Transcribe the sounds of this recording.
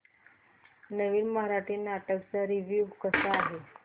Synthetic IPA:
nəʋiːnməɦaɾaʈʰiːnaʈəkt͡saɾiʋjuʋkəsaːɦe

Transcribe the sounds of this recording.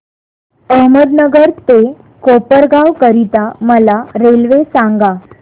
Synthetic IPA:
əɦməd̪nəɡəɾt̪e | kopəɾɡaʋkəɾit̪aməlaɾelʋesãŋɡa

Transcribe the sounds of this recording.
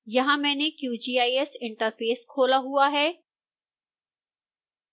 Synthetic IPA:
jɐɦãmɛ̃ːnekjuːd͡ʑiːaːiesɪ̃ɳʈəɾfeːskʰoːlaɦuaɦɛː

